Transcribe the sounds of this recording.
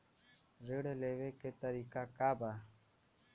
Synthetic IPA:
ɾeɽleːʋeːkeːt̪əɾiːkaːkaːbaː

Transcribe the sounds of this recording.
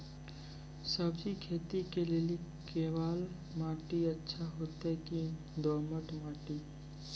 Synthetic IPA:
səbd͡ʒikʰeːt̪ikelelikeːʋaːl | maːʈiətːʃʰaɦot̪ɦɛki | d̪oːməʈmaːʈi

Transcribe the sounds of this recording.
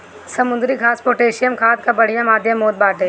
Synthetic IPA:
sɐmʊ̃nd̪ɾikʰaːspoːʈeːʃijəmkʰaːt̪̚kabɐɽ̤ijãmaːd̪ʱjəmːoːd̪̚baːʈeː

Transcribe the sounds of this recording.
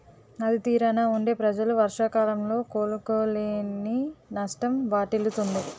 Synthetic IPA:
ɐd̪it̪iːɾɐnaːuɳɖe̞ːpɾɐd͡ʒɐluʋɐɾʂakaːlɐmlo̞ːkoːlukoːleːninɐʂʈɐmʋaːʈilut̪und̪i

